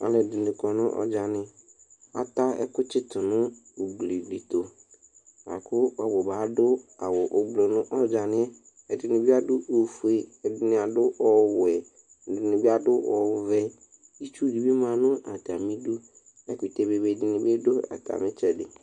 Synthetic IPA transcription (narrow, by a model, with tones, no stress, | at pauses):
a̰˨lɛ˨dʊ˨nɪ̃˨kɔ˨nʊ̃˦ʔɔ̰˨d͡ʒa˨nɪ̃˨ | a̰˨ta˦ɛ̰˦kʊ˦t͡ʃɪ˦tʊ˨nʊ̃˦o˨ɡ͡bli˨li˨t̪o˨ | a̰˨kʰʊ˦ɔ˨bʊ˨baː˨˦dʊ˦a˨wɔ˨ʔo˨ɡ͡blo˨nʊ̃˦ʔɔ˦d͡ʒa˨nɪ̃˦ɛ˦ | ɛ˨dɪ˨nɪ̃˨bi˦a˦dʊ˦ʔo˨fu˨e˨ɛ˨dɪ˨nɪ̃˨a˨dʊ˦ʔɔ˨wɛ˨ | dɪ˨nɪ̃˨bi˦a˨dʊ˦ʔɔ˨ʊ˨vɛ˦ | i˦t͡ʃu˦di˨bi˦mã˦nʊ̃˦ʔa˨ta˨mɪ̃˦du˦ | ɛ˦kʊ˨t̪e˨be˨be˨dɪ˨nɪ̃˨be˦dʊ˦a̰˨ta̰˨mɪ̃˦t͡ʃɛ˨dɪ̰˨